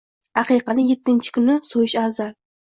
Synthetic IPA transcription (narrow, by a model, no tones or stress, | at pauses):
aqijqɑnɪjet̪ʰːɪnt͡ʃʰɪ̥kʰʊnɪsojɪʃazal